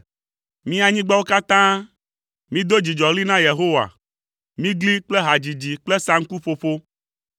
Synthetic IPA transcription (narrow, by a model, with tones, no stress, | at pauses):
mĩ˦a˨ɲĩ˦ɡ͡ba˦wo˦ka˦t̪ã˦ | mĩ˦d̪o˦d͡ʑi˨d͡ʒɔ˨li˦nã˦je˨ɦo˦wa̰˨ | mĩ˦ɡli˦k͡ple˦ɦa˨d͡ʑi˨d͡ʑi˨k͡ple˦sa˦ŋ̩˦ku˦ɸo˦fo˦